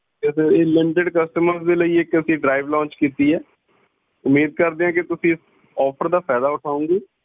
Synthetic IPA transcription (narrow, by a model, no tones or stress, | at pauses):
ɛːseeːlɛɳʈeɖkəsʈəməɾzd̪eːləiːeːkəsĩːɖɾaːɪʋlɔ̃ːɲt͡ʃkiːt̪iːɛː | ʊmːiːd̪̚kəɾd̪eãːk̬ɪt̪ʊsĩːɪs | ɔːpʰəɾd̪aːpʰɛːd̪aːʊʈʰaːũːŋɡiː